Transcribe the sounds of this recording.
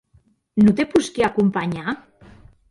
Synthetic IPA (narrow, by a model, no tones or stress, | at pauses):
not̪epuskeakumpaɲa